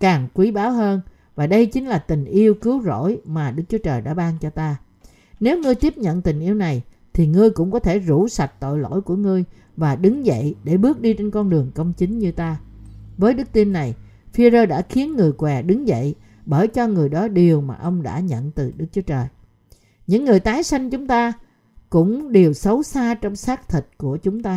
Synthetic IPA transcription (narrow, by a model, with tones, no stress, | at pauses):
kaː˨˩ŋkwi˨˦ɓaː˨˦wɦəː˧n | vaː˨˩ɗə˧jt͡ɕï˨˦ŋ̟laː˨˩t̪ï˨˩ŋ̟ʔi˧əwkɨ˨˦wzo̰˧˥˨jmaː˨˩ɗɨ˦˥k̚t͡ɕu˨˦t͡ɕəː˨˩jɗa̰ː˧˥ɓaː˧ŋt͡ɕɔ˧t̪aː˧ | ne˨˦wŋɨ˧əjt̪i˦˥əp̚ɲə̰˧˨nt̪ï˨˩ŋ̟ʔi˧əwna˨˩j | t̪ʰi˨˩ŋɨ˧əjkʊ̰˧˥ŋ͡mkɔ˨˦t̪ʰe˧˩zu˧˥sa˨˩t̚t̪o̰˧˨jlo̰˧˥˨jku˧˩əŋɨ˧əj | vaː˨˩ɗɨ˨˦ŋzə̰˧˨jɗe˧˩ɓɨ˦˥ək̚ɗi˧t͡ɕe˧nkɔ˧nɗɨ˨˩əŋkə˧wŋ͡mt͡ɕï˨˦ŋ̟ɲɨ˧t̪aː˧vəː˨˦jɗɨ˦˥k̚t̪i˧nːa˨˩j | fi˧zəː˧jɗa̰ː˧˥xi˨˦ənŋɨ˨˩əjkwɛ˨˩ɗɨ˨˦ŋvə̰˧˨j | ɓəː˧˩jt͡ɕɔ˧ŋɨ˨˩əjɗɔ˨˦ɗi˨˩əwmaː˨˩ʔə˧wŋ͡mɗa̰ː˧˥ɲə̰˧˨nt̪ɨ˨˩ɗɨ˦˥k̚t͡ɕu˨˦ə˦t͡ɕəː˨˩j | ɲɨ̰˧˥ŋːɨ˨˩əjt̪aː˨˦jsa˧jŋ̟t͡ɕʊ˨˦ŋ͡mt̪aː˧ | kʊ̰˧˥ŋ͡mɗe˨˩əwsə˨˦wsaː˧t͡ɕɔ˧wŋ͡msaː˦˥k̚t̪ʰi˨˩t̚ku˧˩ət͡ɕʊ˨˦ŋ͡mt̪aː˧